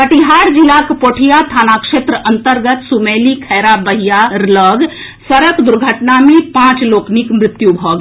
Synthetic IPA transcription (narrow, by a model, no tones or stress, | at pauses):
kəʈiɦaɾd͡ʒilakpoʈʰijat̪ʰanakʂet̪ɾəʔənt̪əɾɡət̪sumelikʰɛɾabəɦijaɾləɡ | səɾəkd̪uɾɡʱəʈnamepãt͡ʃloknikmɾɪt̪jubʱɔɡ